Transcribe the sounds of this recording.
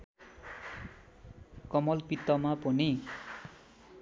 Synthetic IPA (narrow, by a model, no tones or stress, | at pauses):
kʌmʌlpit̪ːʌmapʌni